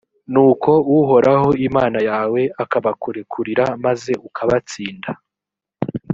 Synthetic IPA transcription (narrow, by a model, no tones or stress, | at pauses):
nuːko̞uɦo̞ɾʔaho̞imaːnajaːwe̞akaβakuɾekʰuɾiɾamaze̞ukʰaβat͡siːnda